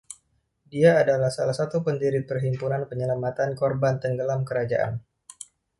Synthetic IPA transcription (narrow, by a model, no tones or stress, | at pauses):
diaːdalahsalahsat̪upəndiɾipərɦimpunanpəɲəlamat̪ankɔrbant̪əŋɡəlamkəɾad͡ʒaʔa̰n